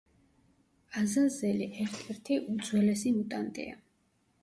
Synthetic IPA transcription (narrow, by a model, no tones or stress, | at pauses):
azazɛliʔɛɾt̪ʰɛɾt̪ʰiʔud̪z̥wɛlɛsimut̪ʼant̪ʼḭa̰